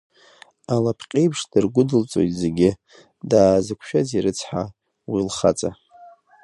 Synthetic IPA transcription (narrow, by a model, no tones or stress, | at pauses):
alapʰqʲʼejpʰʂd̥ɨrɡʷʊdɨlt͡sʼo̞̰jtʼzeɡʲɪ | daːzɨkʷʰʃᶣaziɾɨt͡sʰħa | wilχa̰t͡sʼa